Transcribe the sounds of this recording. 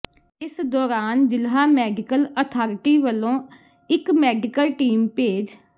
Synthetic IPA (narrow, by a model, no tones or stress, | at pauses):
ɪsd̪ɔːɾaːnd͡ʒɪlɦaːmɛːɖɪkələt̪ʰaːɾʈiːʋəlːõː | ɪkmɛːɖɪkəlʈiːmpeːd͡ʒ